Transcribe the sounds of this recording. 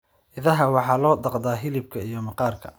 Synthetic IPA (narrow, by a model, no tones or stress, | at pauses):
ʔɪðɐɦɐwɑħɑːlɔːd̪ɑqd̪aːɦɪlɪb̚kʰɐijɞmɑqɑːrkʰɐ̰